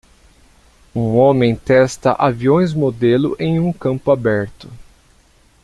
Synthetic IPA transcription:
ũõmẽj̃t̪ɛst̪ɐ̰ʔaviõj̃zmod̪elʊ̰ʔẽj̃ũkɐ̃mpʊabɛɾt̪ʊ

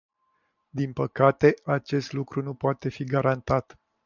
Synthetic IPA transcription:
d̪inpəkat̪e̞at͡ʃe̞st̪lukɾunupoat̪e̞fiɡaɾant̪at̪

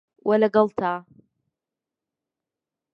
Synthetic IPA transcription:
walaɡɑlˠt̪ʰaː

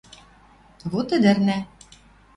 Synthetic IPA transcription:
βot̪ɘ̆d̪ɘ̆rnæ

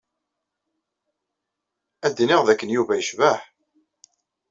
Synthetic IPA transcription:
æd̪ːiniʁðækːənjuvæjəʃvæħ

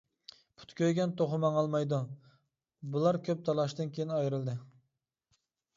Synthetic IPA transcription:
pʰu̥t̪kʲøjɡʲɛnt̪ʰoχʊmɑŋɑlˠmɑjd̪u | bulˠɑɾkʲʰøp̚t̪ʰɑlˠɑʃd̪ɨnkʲʰejinɑjɾɨlˠd̪ɪ

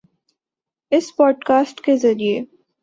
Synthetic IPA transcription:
ɪspɔːɖkaːsʈkezɐɾie

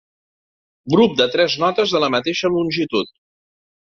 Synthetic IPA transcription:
ɡɾup̚d̪ət̪ɾɛznɔt̪əzðələmət̪eʃəlunʲʒit̪ut̪̚

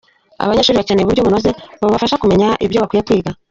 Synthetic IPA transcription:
a̰βaɲeːʃuːɾiβat͡ʃeneβuɾɟo̞βunoze̞βaβafaʃakume̞ɲaʔiβjo̞βakwiːjekwiːɡa

